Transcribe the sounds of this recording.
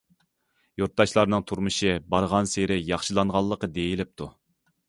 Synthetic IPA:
juɾt̪̚d̪ɑʃlˠɑɾnɨŋt̪ʰuɾmɨʃɨbɑɾʁɑnseɾɪjɑχʃɨlˠɑŋʁɑlˠːəqəd̪ejilɪp̚t̪ʰu

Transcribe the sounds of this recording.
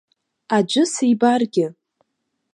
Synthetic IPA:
ad͡ʒʷɨsejbarɡʲɪ

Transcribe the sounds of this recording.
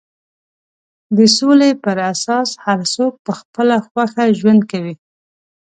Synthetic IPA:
d̪əsolepəɾasɑshaɾsok̚pəxpəlaxwaxaʒwand̪̚kawi

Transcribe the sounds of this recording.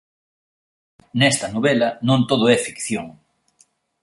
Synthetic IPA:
nɛst̪ɐnoβelɐnõnt̪oðoɛfikθjoŋ

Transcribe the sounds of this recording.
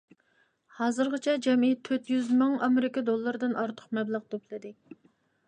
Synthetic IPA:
hɑːzɨɾʁət͡ʃʰɛd͡ʒɛmijɛt̪ʰːøt̪jyzmɨŋɑmeɾɪkɑd̪olˠːɨɾɨd̪ɨnʔɑɾt̪ʰʊ̥χmɛblˠəʁt̪upʰlˠɨd̪ɪ

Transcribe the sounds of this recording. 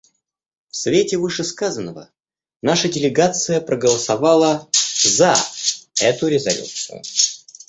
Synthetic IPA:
fsvʲetʲɪvɨʂɨskazənːəvə̰ | naʂədʲɪlʲɪɡat̪sɨjəpɾəɡəlˠəsɐvalˠəzɐ | ɛt̪ʊɾʲɪzɐlʲṵt̪sɨ̰jʊ̰

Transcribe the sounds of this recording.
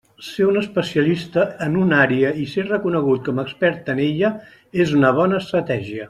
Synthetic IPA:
seunəspəsiəlist̪əːnunaɾiəiserəkunəɣ̞ut̪̚kɔməkspɛɾt̪əneʎə | ezunəβ̞ɔnəːst̪ɾət̪ɛʒiə

